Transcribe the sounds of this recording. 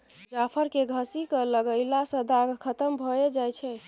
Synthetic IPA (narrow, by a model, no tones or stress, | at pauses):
d͡ʒapʰəɾkeɡʱəsikələɡəɪlasə̃d̪aɡkʰət̪əmbʱɔed͡ʒajt͡ʃʰɛ